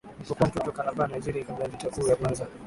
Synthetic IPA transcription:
m̩kɔkɔm̩tɔtɔkalabanaiziɾiaikabalitakuːjakwanza

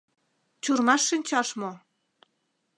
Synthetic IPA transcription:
t͡ɕurnmɑʃːinʲt͡ɕɑʃmo

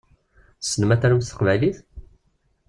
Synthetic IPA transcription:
sənəmæθæɾəmsθə̥qvæjliθ

